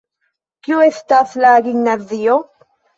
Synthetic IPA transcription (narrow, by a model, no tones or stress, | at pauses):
kjueθt̪aθlaːɡiŋnaðijo